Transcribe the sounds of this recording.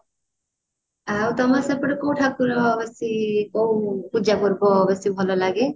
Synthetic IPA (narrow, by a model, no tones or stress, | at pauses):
awt̪ɔmaseɾpɔɾekowʈʰakːuɾɔɔbesikowkud͡ʒakoɾboɔbesibʱɔlolaɡe